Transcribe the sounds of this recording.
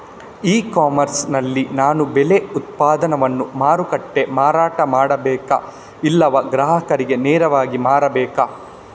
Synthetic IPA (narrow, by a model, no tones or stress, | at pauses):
iːkaːmɐɾsnɐlːinaːnubɛleut̪̚paːd̪ɐnɐʋɐnːumaːɾukɐʈːe̞maːɾaːʈɐmaːɽɐbɛːkɐ̰ | ilːɐʋɐɡɾaːɦɐkɐɾiɡe̞nɛːɾɐʋaːɡimaːɾɐbɛːkɐ